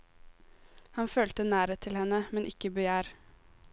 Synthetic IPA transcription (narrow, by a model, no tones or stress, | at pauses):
hɑnføːlt̪ənæːɾət̪ʰɪlhɛnəmɛnʔɪkəbəjæːɾ